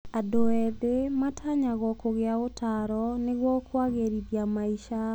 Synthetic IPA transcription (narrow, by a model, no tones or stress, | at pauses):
adoɛðematʰaɲaɣɔkoɣeaotʰaɾɔneɣwɔkwaɣeɾiðjamaiʃa